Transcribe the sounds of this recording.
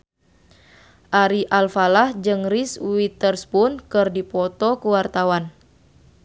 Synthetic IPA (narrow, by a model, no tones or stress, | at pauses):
ʔaɾiʔalfalahd͡ʒɨŋriswit̪ərspunkɨrdipɔt̪ɔkuwart̪awan